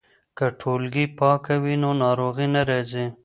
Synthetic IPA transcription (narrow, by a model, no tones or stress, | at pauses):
kəʈʰolɡipɑkawinonɑɾoɣinaɾezi